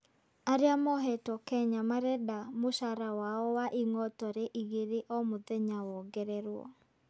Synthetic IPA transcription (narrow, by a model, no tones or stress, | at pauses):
aɾeamɔɦɛtɔkɛɲamaɾɛdamoʃaɾawaɔwaʔiŋɔtɔɾeʔiɣeɾeʔɔmoðɛɲawɔɡɛɾɛɾwɔ̰